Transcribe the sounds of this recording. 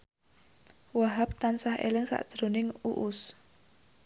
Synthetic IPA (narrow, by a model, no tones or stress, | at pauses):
waɦap̚t̪ansahʔḛlɪŋsa̰ʔd̥ʒ̥ɾonɪŋuʔʊs